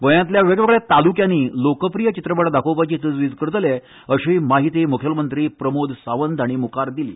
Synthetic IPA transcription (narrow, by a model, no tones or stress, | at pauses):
ɡojãt̪ljaʋeɡʋeɡɭet̪alukjãniːlokəpɾijət͡ɕit̪ɾəpəɽd̪akʰopat͡ɕiːt̪əd͡zʋid͡zkəɾt̪le | əɕiːmaɦit̪imukʰjəlmənt̪ɾiːpɾəmod̪ʱsaʋənd̪ʱaɽ̃imukaɾd̪ilḭː